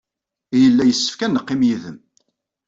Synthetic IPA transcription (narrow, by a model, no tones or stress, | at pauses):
jəlːæjəsːə̥fkænːəqːɪmjiðəm